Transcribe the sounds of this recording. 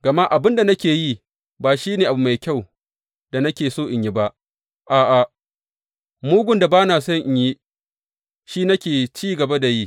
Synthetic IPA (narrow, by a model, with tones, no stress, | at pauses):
ɡ̥ɐ˨ma˦ʔa˨bɪ˦nda˨nɐ˦kʲeː˨ji˦ | baː˨ʃiː˦neː˨ʔa˨bu˨ma˨jkʲa˦˨w | da˨nɐ˦kʲeː˨soː˦ʔɪ˨ɲji˦ba˦ʔ | ʔaː˨ʔa˨ | muː˦ɡʷʊ˨nda˨baː˦naː˨sɐ˦ŋʔɪ˨ɲji˦ | ʃiː˦nɐ˦kʲeː˨t͡ʃiː˦ɡɐ˨ba˦da˨ji˦